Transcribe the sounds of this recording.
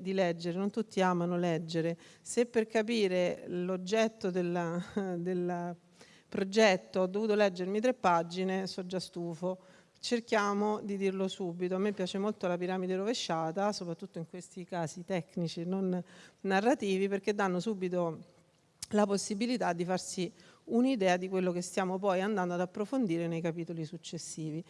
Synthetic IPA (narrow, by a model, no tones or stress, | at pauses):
d̪ilɛd͡ʒːeɾenont̪ut̪ːiaːmanolɛd͡ʒːeɾesepːerkapiːɾelod͡ʒːɛt̪ːod̪eld̪el | pɾod͡ʒɛt̪ːoɔd̪ːovuːt̪olɛd͡ʒːeɾmit̪̬ɾepːad͡ʒːinesɔd͡ʒːast̪uːfo | t͡ʃerk̟jaːmod̪id̪irlosuːbit̪̬oamːepːjaːt͡ʃemolt̪olapiɾaːmid̪eɾoveʃːaːt̪asopɾat̪ːut̪ːoiŋkwest̪ikaːsit̪ɛknit͡ʃinonːarːat̪iːviperk̟ed̪ːanːosuːbit̪o | laposːibilit̪ad̪ːifarsiunid̪ɛːad̪ikwelːokest̪jaːmop̬ɔjand̪and̪oad̪apːɾofond̪iːɾenejkapiːt̪olisut͡ʃːesːiːvi